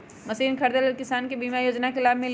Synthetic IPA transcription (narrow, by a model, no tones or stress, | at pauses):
mɐsiːnkʰɐɾd̪ələlkɪsaːnkebiːmajoːd͡ʒnakelaːbmẽl